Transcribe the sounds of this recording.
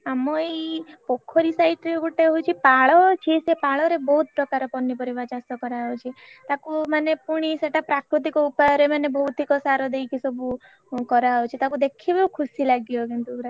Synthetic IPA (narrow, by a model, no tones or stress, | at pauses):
amɔepokʰːɔɾisaiʈɾeɡuʈeɦout͡ʃʰipaɭɔt͡ʃʰisepaɭɔɾebɔɦut̪̚pɾɔkaɾɔpɔnːipɔɾibat͡ʃast̪ɔkɔɾaɦot͡ʃʰit̪akumanepuɽ̃iseʈapɾakɾut̪̬ikɔupajɔɾemanebɔɦut̪ikɔsaɾɔd̪ejkisɔbu | kɔɾaot͡ʃʰit̪akud̪ekʰibɔukʰusilaɡjokint̪uɾa